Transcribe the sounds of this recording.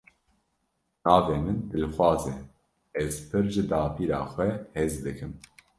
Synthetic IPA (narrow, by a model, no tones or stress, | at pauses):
nɑːveːmɨnd̪ɨlxwɑːzɛ | ɛzpʰɨɾʒɨd̪ɑːpʰiːɾɑ̰ːxʷɛheːzd̪ɨkʰɨm